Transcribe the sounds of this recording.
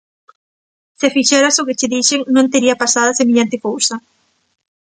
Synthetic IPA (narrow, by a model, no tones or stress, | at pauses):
sefiʃɛɾasʊkɪt͡ʃɪðiʃeŋnõnt̪eɾiɐpasaðɐsemeʎant̪ɪkowsɐ